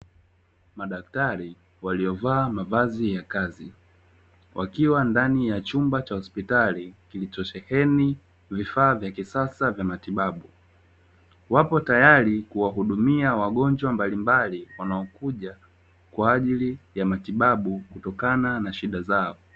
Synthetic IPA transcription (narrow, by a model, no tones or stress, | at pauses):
maɗaktaɾi | waliɔvaːmavazijakazi | wʔa̰kiwandanijat͡ʃumbat͡ʃahɔspitalikilit͡ʃɔt͡ʃɛhɛni | vifaːvjakisasavjamatiɓaɓu | wapɔtajaɾikuwaɦuɗumiawaɠɔnd͡ʒwambalimbaliwanaɔkuʄa | kwaːʄilijamatiɓaɓukutɔkananaʃiɗazaɔ